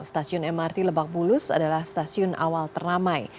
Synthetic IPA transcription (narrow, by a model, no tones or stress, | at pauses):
st̪asiʊnɛmart̪iləbak̚bulʊsa̰dalahst̪asiʊnʔa̰walt̪əramaj